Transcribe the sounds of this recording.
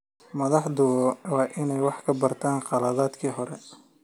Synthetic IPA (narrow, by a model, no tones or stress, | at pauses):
mɐðɑħd̪ʊwɔwɑːʔɪnɛjwɑħkʰɐbɐrt̪ʰaːnqɑlɐðaːd̪kʰiːɦɔɾɛ